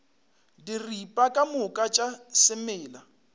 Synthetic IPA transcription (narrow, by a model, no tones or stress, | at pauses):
diripʼakʼamʊkʼat͡ʃʼasɪmɪːla